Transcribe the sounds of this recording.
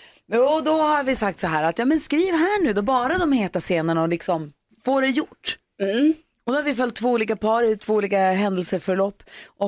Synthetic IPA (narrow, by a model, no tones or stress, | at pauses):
ɔd̪ɔhaɾvɪsak̚t̪sɔɦæːɾat̪jɑːmɛnskɾiːvɦæːɳʉ̟ːd̪ɔbɑːɾad̪ɔmheːt̪aseːnaɳaɔlɪksɔm | foːɖɛjʊʈː | ɔd̪ɔhaɾvɪfœlt̪ʰːvoːuːliːkapʰɑːɾɪt̪ʰvoːuːliːkaɦɛnd̪ɛlsəfœɾɭɔpːɔ